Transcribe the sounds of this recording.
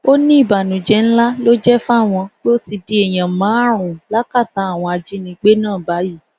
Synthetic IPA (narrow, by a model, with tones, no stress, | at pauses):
o˦nĩ˦i˦˨ba˨nũ˨d͡ʒɛ˨˦n̩˦la˦lo˦d͡ʒɛ˦fw̃ɔ̃˧k͡pe˦o˦ti˧di˦e˨j̃ã˨˦mã˨˦ɾ̃ũ˨la˨˦ka˦˨ta˨˦a˦˨w̃ɔ̃˧a˧d͡ʒi˦nĩ˧k͡pe˦nãː˦˨ba˨˦ji˦˨